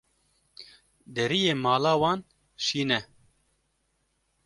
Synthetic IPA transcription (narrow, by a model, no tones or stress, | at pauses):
d̪ɛɾijeːmɑːlɑːwɑːn | ʃiːnɛ